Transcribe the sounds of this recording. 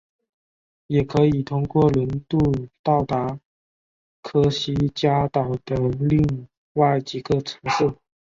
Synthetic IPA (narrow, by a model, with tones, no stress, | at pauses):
jɛ˨˩kʰɤ˧˥i˨˩t̪ʰʊ˥ŋkwɔ˥˩lwə˧˥nt̪u˥˧t̪ɑ˥˩ʊt̪a˧˥ | kʰɤ˥ɕi˥t͡ɕja˥t̪ɑ˨˩ʊd̪̥ə˦li˥˧ŋ | wa˥˩ɪt͡ɕi˧˨˩ɡə˧ʈ͡ʂʰɤ˧˥ŋʂ̩˥˩